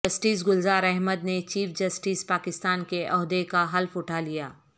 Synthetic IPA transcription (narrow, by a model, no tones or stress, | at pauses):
ɐsʈiːsɡʊlzaːɾɛɦməd̪net͡ʃiːfd͡ʒɐsʈiːspaːkɪst̪aːnkeʔɔɦd̪ekaɦɐlfʊʈʰalijaː